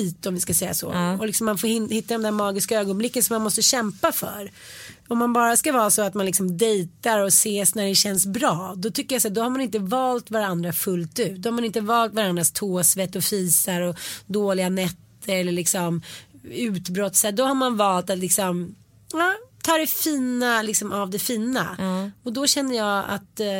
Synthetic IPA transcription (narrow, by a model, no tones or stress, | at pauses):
iːt̪ɔmvɪskasɛjːa̰sɔ̰ɔlɪksɔmːanfoːɾhɪhɪt̪ːad̪ɔmd̪æɾmɑːɡɪskaøːɡɔnblɪkːənsɔmːanmɔst̪əɕɛmpafœ̰ɾ | ɔmːanbɑːɾaskavɑːsɔat̪manlɪksɔmd̪ɛjt̪aɾɔseːsnæɖɛɕɛnsbɾɑːd̪ɔt̪ʰʏkːəjasæːd̪ɔhaɾmanɪnt̪əvɑːlt̪vaɾand̪ɾafɵlt̪ʉ̟ːt̪d̪ɔhaɾmanɪnt̪əvɑːlt̪vaɾand̪ɾast̪ʰoːsvɛt̪ːɔfiːsaɾɔd̪oːlɪɡanɛt̪ʰːəɾɛlːəɭɪksɔmʉ̟ːt̪bɾɔt̪sɛd̪ɔhaɾmanvɑːlt̪at̪lɪksɔm | ɑːt̪ʰɑːd̪ɛfiːnalɪksɔmavd̪ɛfiːna̰ɔd̪ɔɕɛnːəjɑːa̰t̪